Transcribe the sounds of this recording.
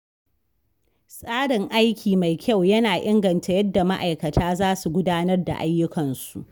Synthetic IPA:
sʼaː˦ɽɪ˨ŋʔa˦jkʲʰiː˨ma˨jkʲʰa˦˨wjɐ˦naː˨ʔɪ˦ŋɡɐ˨nta˨jɐ˦dːa˨ma˦ʔa̰˨jkɐ˨tʰaː˦zaː˦su˨ɡʷʊ˦daː˦nɐ˦rda̰˨ʔa˦jːʊ˦kɐ˨nsu˨ʔ

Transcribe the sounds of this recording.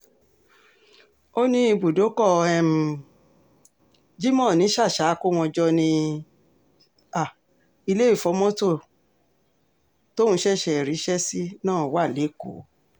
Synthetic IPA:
o˦nĩ˦i˧bu˨do˨˦kɔ˦˨˧ɛ˧m̩˧ | d͡ʒi˦mɔ̃˦˨nĩ˨˦ʃa˦˨ʃa˨˦ko˦w̃ɔ̃˧d͡ʒɔ˦nĩ˧ | a˨ | i˧le˦i˦˨fɔ˧˦mɔ̃˦to˦˨ | to˦ũ˧˦ʃɛ˦˨ʃɛ˨ɾi˨˦ʃɛ˦si˦nãː˦˨˦wa˦˨le˨˦ko̰˨˦

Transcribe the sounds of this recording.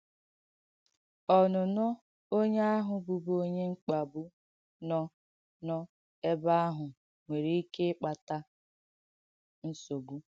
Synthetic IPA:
ɔ˨nʊ˨nɔ˦ | o˦ɲe˦a˦ɦʊ˨bu˨bo˦ɲe˦ŋ͡m̩˦k͡pa˨bʊ˦ | nɔ˦ | nɔ˦ | e˦ba˦a˦ɦʊ˨ | ŋʷe˨ɾe˦i˦ke˦k͡pa˨ta˦ | n̩˦so˨ɡu˦

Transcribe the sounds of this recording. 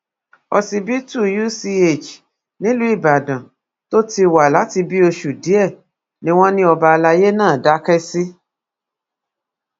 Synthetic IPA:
ɔ˧si˧bi˦tu˦˨ju˦si˧e˦˨d͡ʒ | nĩ˦lu˦i˦˨ba˨dã˨ | to˦ti˧wa˨la˨˦ti˧bi˦o˧ʃu˨di˨˦ɛ˦˨ | nĩ˦w̃ɔ̃˦nĩ˦ɔ˧ba˧la˧je˦nãː˦˨da˦kɛ˦si˦

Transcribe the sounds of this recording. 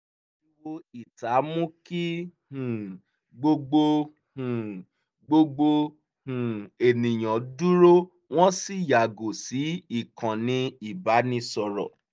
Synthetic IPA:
lu˦wo˦i˦˨ta˨˦mũ˦ki˦hũ˨ | ɡ͡bo˧ɡ͡bo˧ | hũ˨ | ɡ͡bo˦˧ɡ͡bo˧ | hũ˨e˨nĩ˨j̃ɔ̃˨du˦ɾo˦ | w̃ɔ̃˦si˦˨ja˨ɡo˨si˨˦i˦˨kʰã˨nĩ˧i˨ba˨˦nĩ˧sɔ˨ɾɔ̰˨

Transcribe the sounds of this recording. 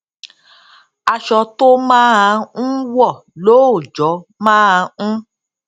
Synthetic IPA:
a˧ʃɔ˧to˦mãː˦a˧n̩˦wɔ˦˨lo˨˦o˦˨d͡ʒɔ˨˦mãː˦a˧ñ̩˦

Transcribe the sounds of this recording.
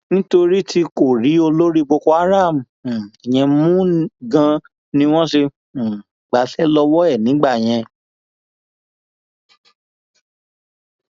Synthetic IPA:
nĩ˦to˧ɾi˦tʰi˧ko˦˨ɾi˨˦o˧lo˦ɾi˦bo˧kɔ˧˦a˦ɾa˦˨m̩˨ɛ˨j̃ɛ̃˧mũ˦ɡã˧ | nĩ˧˦w̃ɔ̃˦ʃe˧˨ | ɡ͡ba˨˦sɛ˦lɔ˧wɔ˦ɛ˦˨nĩ˨˦ɡ͡ba˦˨j̃ɛ̃˧

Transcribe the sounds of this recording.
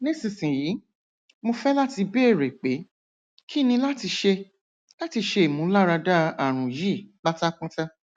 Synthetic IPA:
nĩ˦sĩ˨sĩ˨ji˨˦ | mo˧fɛ˦la˦ti˧be˦e˦˨ɾe˨k͡pe˨˦ | ki˦˨nĩ˧la˦ti˧ʃe˧ | la˦ti˧ʃe˧i˨mũ˨˦la˦ɾa˧da˦a˦˨ɾ̃ũ˨ji˦˨k͡pa˦ta˦kũ˦ta˦

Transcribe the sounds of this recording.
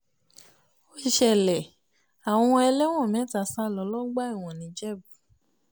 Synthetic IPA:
o˦i˧˨ʃɛ˨lɛ˨ | a˨w̃ɔ̃˧ɛ˧lɛ˦w̃ɔ̃˦˨mɛ̃˨˦ta˨sa˦˨lɔ˨˧˦lɔ˦ɡ͡ba˦i˦˨w̃ɔ̃˨nĩ˨˦d͡ʒɛ˦˨bu˨

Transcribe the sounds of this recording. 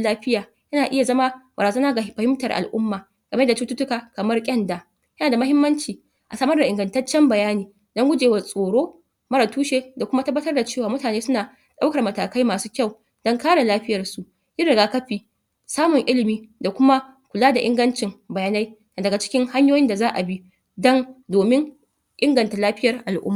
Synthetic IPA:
laː˦ɸɪ˦jaː˨ | jɐ˦naː˨ʔɪ˦ja˨zɐ˦ma˦bɐ˨ɾaː˨zɐ˦naː˦ɡa˨˦ɸɐ˨hɪ˦mtɐ˨rʔa̰˨lʔʊ˦mːaː˨ | ɡ̥ɐ˨me˦da˨t͡ʃu˦tʊ˦tʊ˦kaː˨kɐ˨mɐ˦rkʲʼɐ˦nda˨ | jɐ˦naː˨da˨mɐ˦hɪ˦mːɐ˦nt͡ʃiː˨ | ʔa˨sɐː˦mɐ˦rda˨ʔɪ˨ŋɡɐ˨ntɐ˦t͡ʃːɛ˦mbɐ˨jaː˦niː˨ | dɔ˦ŋɡʷʊ˦d͡ʒeː˨wa˨rsʼoː˨ɽoː˦ | mɐ˦ɾa˨tuː˦ʃeː˦da˨kʷʊ˦ma˦tɐ˦bːɐ˦tɐ˦rda˨t͡ʃeː˦˨waː˨mʊ˦taː˨neː˦sʊ˦naː˨ | ɗa˦wkɐ˨rmɐ˨taː˨ka˦jmaː˨suː˦kʲa˦˨w | d̥ɔ˦ŋkaː˦ɽa˨laː˦ɸɪ˦jɐ˨rsu˨ʔ | ʔɪ˦ɽɪ˨ɡaː˦kɐ˦ɸiː˨ | saː˦mʊ˨ŋʔɪ˦lɪ˨miː˨da˨kʷʊ˦ma˦ | kʷʊ˨laː˦da˨ʔɪ˦ŋɡɐ˦nt͡ʃɪ˨ŋbɐ˨jaː˦na˦jna˨dɐ˨ɡa˨t͡ʃɪ̥˦kʲɪ˦ŋha˦ɲjoː˦jɪ˦nda˨zaː˦ʔa˨bi˦ | dɔ˦ndoː˨mɪ˦ŋ | ʔɪ˦ŋɡɐ˨nta˨laː˦ɸɪ˦jɐ˨rʔa˨lʔʊ̰˦mːa˨

